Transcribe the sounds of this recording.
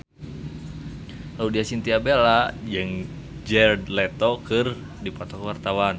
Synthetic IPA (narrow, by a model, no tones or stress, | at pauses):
laudiasint̪iabelad͡ʒɨŋ | d͡ʒɛrdlɛt̪ɔkɨr | dipɔt̪ɔkwart̪awan